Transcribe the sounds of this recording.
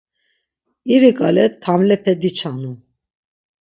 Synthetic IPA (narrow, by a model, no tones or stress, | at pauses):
iɾikʼa̰lɛt̪ʰːamlɛpʰɛd̪it͡ʃʰanu